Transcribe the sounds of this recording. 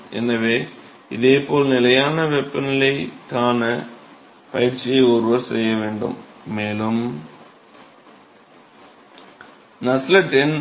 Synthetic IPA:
ḛnːɐʋe | iðeːpːo̞ːɭnilɐjaːnɐʋepːɐnilet̪ʰaːnɨ | pɐjɾt͡ɕjeorʋɐsrejːɐʋe̞ːɳɖṵmːeːlum | nɐslɐʈen

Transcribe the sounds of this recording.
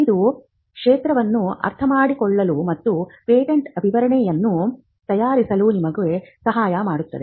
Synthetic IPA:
id̪u | kʂeːt̪ɾɐʋɐnːuɐ̰ɾt̪ʰɐmaːɽikɔɭːɐlumɐt̪ːupeːʈeɳʈɐbʱiʋɐɾɐɳɛjɐnːu | t̪ɐjaːɾisɐlunimɐɡuʋesɐɦaːjɐmaːɽut̪ːɐd̪e

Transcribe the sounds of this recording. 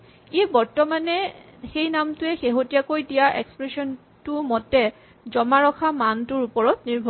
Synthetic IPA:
ebɔɹtɔmanɛ | xejnamtʊɛxeɦotijakojdijaʔɛ̰kspɹesɔn | tʊmɔtɛ | zɔmaɹɔkʰamantʊɹupɔɹɔtniɹbʱɔ

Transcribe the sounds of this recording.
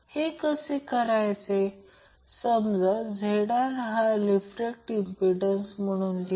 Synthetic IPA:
hekəsekəɾajt͡se | səmd͡zəd͡zʱeɽaɾɦalifɾek̚ʈimpiɖənsm̤əɽ̃uːnli

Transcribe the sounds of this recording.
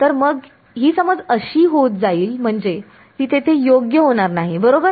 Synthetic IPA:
t̪əɾməɡ | ɦiːsəməd͡zəɕiːɦot̪̚d͡zaiːlm̤əɳd͡ze | t̪iːt̪ʰet̪ʰejoɡjəɦoɽ̃aɾnaɦibəɾobəɾ

